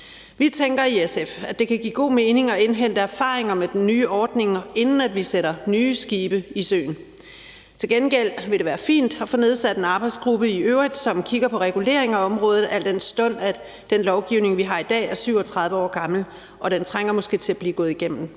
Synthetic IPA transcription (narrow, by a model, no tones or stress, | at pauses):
ʋit͡sʰeŋɡ̥ɐiesefæd̥e̝kʰæɡ̥ḭːɡ̥o̝̰ːme̝ːne̝ŋɒ̽e̝nɦen̰d̥əæɐfɑ̰̈ːʁeŋɐmed̥enːyːʔɒːd̥ne̝ŋe̝nn̩æd̥ʋiseɾ̥ɐnyːsɡ̥iːb̥əisø̰ːn̩ | t͡sʰe̝lɡ̥enɡ̥el̰ʋe̝ɾeʋæːɐfḭːnd̥hɑfɔ̽ne̝ð̞ˠsæd̥enɑ̈ːb̥ɑ̈ɪ̥sɡ̥ʁub̥əiʔøʊʁid̥sɒ̽mkʰiɡ̥ɐpʰɒ̽ʁɛɡ̥ule̝̰ɐe̝ŋæɒ̽mʁɔ̽ːð̞̩ˠæl̰d̥ensd̥ɔ̽n̰æ̥ | d̥enlɒʊɡ̥iʊne̝ŋʋiɦɑ̈ːid̥ɛ̰ːæɐsyʊɒt͡sʰʁɑ̈ð̞ˠʋəɒ̰ːɡ̥ɑ̈ml̩ | ʔɒ̽ɾ̥ent͡sʰʁaŋ̰ɐmɔ̽sɡ̥e̝̰ːt͡sʰe̝æb̥liːɡ̥ɔ̽ːð̩ˠiɡ̥em̰n̩